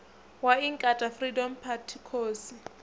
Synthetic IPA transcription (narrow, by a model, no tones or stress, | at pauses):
waiŋkʼatʼafridɔmpʰatʰikʰoːsi